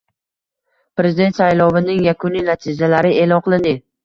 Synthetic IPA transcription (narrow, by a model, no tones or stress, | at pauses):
pɾe̞zɪd̪et̪sajlɒvɪnɪŋjakʰʊninat̪ʰɪzalaɾɪʔelɒnqʰɨlˠɪnd̪ɪ